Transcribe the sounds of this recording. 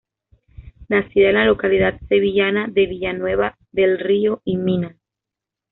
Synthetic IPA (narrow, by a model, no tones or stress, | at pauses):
nasiðaenlalo̞kaliðat̪̚se̞βiʝanaðe̞βiʎanwe̞βa | ðe̞lrioimina